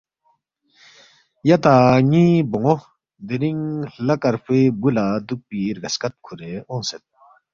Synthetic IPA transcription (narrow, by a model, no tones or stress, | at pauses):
jat̪aɲibɔŋɔ | d̪eɾiŋlɐkaɾpʰebulad̪uk̚piɾɡɐskat̪̚kʰuɾeɔ̃ŋsɛt̪̚